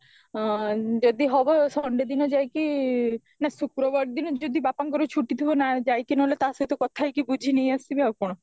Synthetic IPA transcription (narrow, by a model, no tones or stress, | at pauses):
d͡ʒod̪iɦɔbɔsɔɳɖed̪inɔd͡ʒajki | nasukɾɔbɔɽd̪inɔd͡ʒod̪ibapaŋk̬ɔɾut͡ʃʰuʈit̪ʰuɦonad͡ʒajkinɔɦlet̪aset̪ɔkɔt̪ʰajkibud͡ʒʱinejasibiakɔɽ̃ɔ